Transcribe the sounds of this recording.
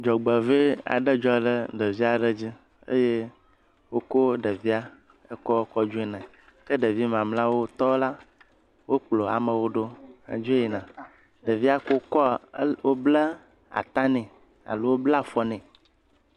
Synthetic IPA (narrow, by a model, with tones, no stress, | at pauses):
d͡ʒɔ˨ɡ͡bə˨ve˦a̰˨ɖə˦d͡ʒɔ˦ɖə˦ɖə˨vi˦a˨ɖə˦d͡ʑi˦ | ḛ˦je˦ | wo˦ko˦ɖə˨vi˦a˦ | e˦kɔ˦o˦kɔ˦d͡ʒu˦e˦nã˨ | kə˦ɖə˨vi˦mã˨mlã˦wo˦t̪ɔ˦la˦ | wo˦k͡plo˨a̰˨mə̃˨wo˦ɖo˦a̰˨d͡ʒu˦e˦ji˨nã˨ | ɖə˨vi˦a˦ko˦kɔ˦wo˦blə˦ | a̰˨t̪ã˦nɛ̃˨ | a̰˨lo˦wo˦bla˦fɔ˦nɛ̃˨